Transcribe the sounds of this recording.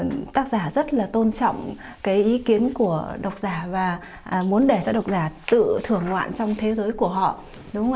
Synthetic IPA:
t̪aː˦˥k̚zaː˧˩zə˦˥t̚laː˨˩t̪o˧nt͡ɕɔ̰˧˨wŋ͡m | kaː˨˦jʔi˨˦ki˨˦ənku˧˩əɗə˨˩wk͡p̚zaː˧˩vaː˨˩ | mu˨˦ənɗe˧˩zɔ˧˩ɗə˨˩wk͡p̚zaː˧˩t̪ɨ̰˧˨t̪ʰɨ˨˩əŋːwa̰ː˧˨nt͡ɕɔ˧wŋ͡mt̪ʰe˨˦zəː˨˦jku˧˩əɦɔ̰˧˨ | ɗʊ˨˦ŋ͡m

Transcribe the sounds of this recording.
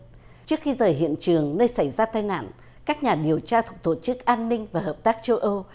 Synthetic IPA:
t͡ɕɨ˦˥ək̚xi˧zəː˨˩jɦḭ˧˨ənt͡ɕɨ˨˩əŋnəː˧jsa˧˩jzaː˧t̪aː˧jna̰ː˧˥˨n | kaː˦˥k̚ɲaː˨˩ɗi˨˩əwt͡ɕaː˧t̪ʰʊ˨˩k͡p̚t̪o˧˩t͡ɕɨ˦˥k̚ʔaː˧nːï˧ŋ̟vaː˨˩ɦəː˨˩p̚t̪aː˦˥k̚t͡ɕə˧wʔə˧w

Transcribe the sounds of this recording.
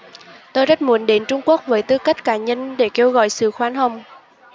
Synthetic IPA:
t̪o˧jzə˦˥t̚mu˨˩ənɗe˨˦nt͡ɕʊ˧ŋ͡mku˦˥ək̚vəː˨˦jt̪ɨ˧ka˦˥k̟̚kaː˧˩ɲə˧nɗe˧˩ke˧wɣɔ̰˧˨jsɨ̰˧˨xwaː˨˦nɦə˨˧˩wŋ͡m

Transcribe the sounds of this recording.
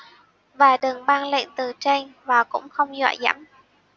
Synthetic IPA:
vaː˨˩ɗɨ˨˩ŋɓaː˧nlḛ˧˨nt̪ɨ˨˩t͡ɕa˧jŋ̟vaː˨˩kʊ̰˧˥ŋ͡mxə˧wŋ͡mzwa̰ː˧˨jza̰˧˥m

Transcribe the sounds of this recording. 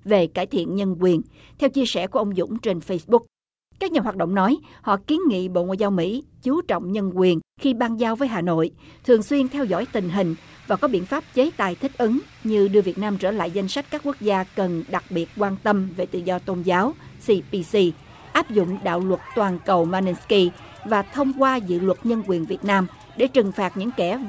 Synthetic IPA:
ve˨˩kaː˧˩jt̪ʰḭ˧˨ənɲə˧nkwi˨˩ən | t̪ʰɛ˧wt͡ɕi˧əsɛ̰˧˩ku˧˩əʔə˧wŋ͡mzʊ̰˧˥ŋ͡mt͡ɕe˧nfə˧jsɓʊ˦˥k̚ | kaː˦˥k̚ɲaː˨˩ɦwaː˨˩t̚ɗə̰˧˨wŋ͡mnɔ˨˦jhɔ̰˧˨ki˨˦ənŋḭ˧˨ɓo̰˧˨ŋwa̰ː˧˨jzaː˧wmḭ˧˥t͡ɕu˨˦t͡ɕɔ̰˧˨wŋ͡mɲə˧nkwi˨˩ənxi˧ɓaː˧nzaː˧wvəː˨˦jɦaː˨˩no̰˧˨jt̪ʰɨ˨˩əŋswi˧ənt̪ʰɛ˧wzɔ̰˧˥˨jt̪ï˨˩ŋ̟ɦï˨˩ŋ̟ | vaː˨˩kɔ˨˦ɓḭ˧˩ənfaː˦˥p̚t͡ɕe˨˦t̪a̰ː˨˩jt̪ʰï˦˥k̟̚ʔɨ˨˦ŋ | ɲɨ˧ɗɨ˧vi˨˩ət̚naː˧mt͡ɕəː˧˩la̰ː˧˨jza˧jŋ̟sa˦˥k̚kaː˦˥kːu˦˥ək̚zaː˧kə˨˩nɗa˨˩k̚ɓi˨˩ət̚kwaː˧nt̪ə˧mve˨˩t̪ɨ̰˧˨zɔ˧t̪o˧nzaː˨˦wsi˧pi˧si˧ | ʔaː˦˥p̚zʊ̰˧˨ŋ͡mɗa̰ː˧˨wlwə˨˩t̚t̪waː˨˩nkə˨˩wmaː˧ni˧nski˧ | vaː˨˩t̪ʰə˧wŋ͡mkwaː˧zɨ̰˧˨lwə˨˩t̚ɲə˧nkwi˨˩ənvi˨˩ət̚naː˧m | ɗe˧˩t͡ɕɨ˨˩ŋfaː˨˩t̚ɲɨ̰˧˥ŋkɛ˧˩

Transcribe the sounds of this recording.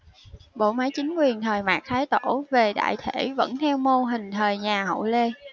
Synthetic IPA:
ɓo̰˧˨maː˨˦jt͡ɕï˨˦ŋ̟kwi˨˩ənt̪ʰəː˨˩jmaː˨˩k̚t̪ʰaː˨˦jt̪o˧˥˩ve˨˩ɗa̰ː˧˨jt̪ʰe˧˥˩və̰˧˥nt̪ʰɛ˧wmo˧ɦï˨˩ŋ̟t̪ʰəː˨˩jɲaː˨˩ɦə̰˧˨wle˧

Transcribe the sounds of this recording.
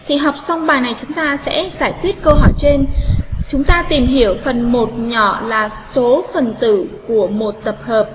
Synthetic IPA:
t̪ʰi˨˩ɦa˨˩wk͡p̚sa˧wŋ͡mɓaː˨˩jna˨˩jt͡ɕʊ˨˦ŋ͡mt̪aː˧sɛ̰˧˥zaː˧˩jkwi˦˥ət̚kə˧wɦɔ˧˩jt͡ɕe˧nt͡ɕʊ˨˦ŋ͡mt̪aː˧t̪i˨˩mɦi˧˩əwfə˨˩nmo˨˩t̚ɲɔ̰˧˨laː˨˩so˨˦fə˨˩nt̪ɨ̰˧˨ku˧˩əmo˨˩t̚t̪ə˨˩p̚həː˨˩p̚

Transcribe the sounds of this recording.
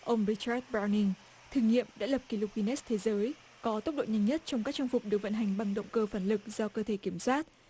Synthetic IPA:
ʔə˧wŋ͡mɹi˧t͡ɕaː˦˥t̚ɓaː˧wni˧ŋ | t̪ʰɨː˨˩ŋḭ˧˨əmɗa̰ː˧˥lə˨˩p̚ki˧lo˨˧˩p̚i˧nɛ˦˥st̪ʰe˨˦zəː˨˦j | kɔ˨˦t̪ə˦˥k͡p̚ɗo̰˧˨ɲa˧˩jŋɲə˦˥t̚t͡ɕɔ˧ŋ͡mkaː˦˥k̚t͡ɕɔ˧ŋfʊ˨˩k͡p̚ɗɨ˨˩və̰˧˨nɦa˨˩ŋ̟ɓa˧ŋɗə̰˧˨wŋ͡mkəː˧faː˧˩nlɨ˨˩k̚z̥ɔ˧kəː˧t̪ʰe˧˩ki˧˩əmswaː˦˥t̚

